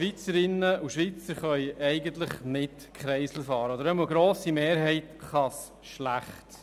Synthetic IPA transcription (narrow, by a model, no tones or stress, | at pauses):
ʋit͡səɾɪnəʔuʃʋit͡səɾχœʏʔɛɪɡənt̪ləχmɪt | kχɾɛɪsl̩fɑːɾəod̪əɾɛməɡɾoːsimeːɾɦɛɪt̪χɑs | ʃlæχt